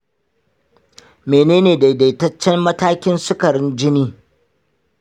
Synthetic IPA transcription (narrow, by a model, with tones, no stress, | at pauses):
meː˨neː˦neː˨da˨jda˨tɐ˦t͡ʃːɛ˦mːɐ˦taː˦kʲɪ˦nsʊ˦kɐ˨ɾɪ˦nd͡ʒɪ˦niː˦